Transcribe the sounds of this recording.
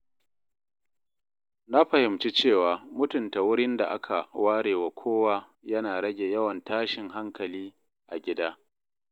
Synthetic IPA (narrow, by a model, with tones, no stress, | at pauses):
na˦ɸɐ˨hɪ˨mt͡ʃi˦t͡ʃeː˦˨waː˨mʊ˦tʊ˨nta˨wʊ˦ɽɪ˦nda̰˨ʔa˦kʰa˨waː˦ɽeː˨wa˨kʷʰoː˦waː˦ | jɐ˦naː˨ɽɐ˦ɡʲeː˨jɐ˦wɐ˨ntaː˦ʃɪ˨ŋɦa˦ŋkɐ˨liː˦ | ʔa˨ɡʲɪ˦daː˦